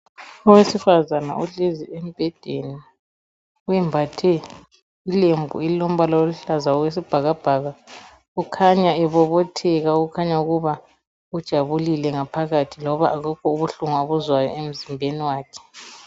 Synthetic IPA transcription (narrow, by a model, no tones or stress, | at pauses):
ɔwesifazana̰ʔuɮeziem̩b̥ʱɛd̥ʱeni | wɛmbʱatʰɛ | ilembʱṵiilom̩βalaoluɬazaɔɣwes̬ib̥ʱaɣab̥ʱaɣa | ɣukʰaɲaɛβɔβɔtʰɛɣauɣukʰaɲauɣuβa | ud̥ʒ̥ʱaβulilɛŋapʰaɣatʰilɔβa̰ʔːɣukʰɔuβuɬuŋaβuzwajɔ̰em̩zimbʱeniwaːkʰɛ̥